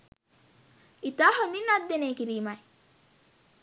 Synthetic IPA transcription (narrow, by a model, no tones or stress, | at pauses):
it̪aːɦominad̪ːeneːkiɾiːmaj